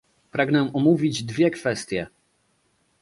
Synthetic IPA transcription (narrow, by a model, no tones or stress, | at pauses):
pɾaɡnɛ̃ɔmuvʲid͡ʑd̪vʲjɛkfɛst̪ʲjɛ